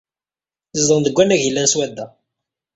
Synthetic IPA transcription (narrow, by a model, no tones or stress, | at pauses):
θəzd̪ˤənðəɡʷːænæʝilːænswæd̪ːæ